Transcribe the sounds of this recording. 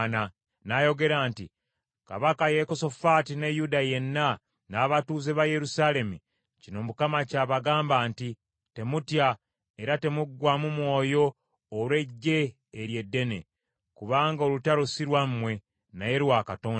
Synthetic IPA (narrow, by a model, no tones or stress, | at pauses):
na | naːjo̞ɡe̞ɾaːnti | ka̰βakaje̞koso̞fatinejudaje̞nːa | naːβatuːze̞βaje̞ɾusaːle̞mu | cino̞mukamacaːβaɡaːmbaːnti | te̞mutja | e̞ɾate̞muɡːwamumwo̞ːjo̞ː | lwe̞ɟːe̞ː | ɾje̞dːe̞ne̞̰ | kuβaːŋɡao̞lutaɾosiɾwamːwe̞ | naje̞ɾwakato̞ːn